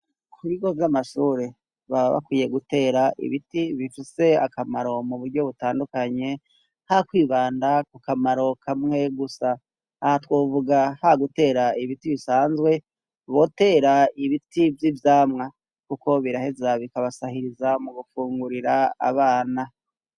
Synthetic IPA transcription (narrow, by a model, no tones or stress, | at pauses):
kʰuɾiɡo̞vjamaʃuːɾe | βaββa̰kwiːjeɡute̞ːɾaʔḭβitiβifise̞a̰kamaɾo̞muβuɾɟo̞βutaːndukaɲe̞ | hakwiːβaːndakukamaɾo̞kʰamŋe̞ɡusaː | hatwoːvuɡahaɡute̞ːɾaiβitiβisaːnzɡwe̞ | βo̞te̞ːɾaiβitivjivjaːmŋa | kuko̞βiɾahe̞zaβikaβasahiɾizamuɡufuːŋɡuɾiɾaa̰βaːna